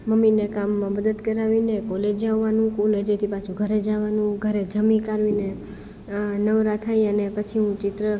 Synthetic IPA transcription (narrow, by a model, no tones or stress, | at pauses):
məminekamːãməd̪əd̪kəɾaʋinekɔled͡ʒaʋːanũkuled͡ʒet̪ʰipat͡ʃʰuɡʱəɾed͡ʒaʋanũɡʱəɾed͡ʒəmĩkaɾʋine | nəʋɾat̪ʰaiənepət͡ʃʰiɦũt͡ʃɪt̪ɾə